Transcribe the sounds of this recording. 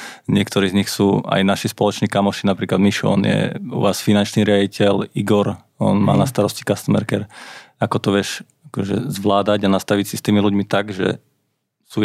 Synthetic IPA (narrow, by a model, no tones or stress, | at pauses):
ɲɪɛkt̪ɔɾiːzɲixsuːa̰jnaʃispɔlɔt͡ʃniːkamɔʃinapɾiːklad̪miʃɔ̰njɛ̰ṵʋaːsfinant͡ʃniːɾɪaɟicɛliɡɔɾ | ɔ̰nma̰ːnast̪aɾɔsci̥kast̪mɛ̰ɾkɛɾakɔt̪ɔʋɪɛʃ | akɔʒɛ̰zʋlaːd̪aɟanast̪aʋicsist̪iːmiluɟmit̪aɡʒɛ̰ | su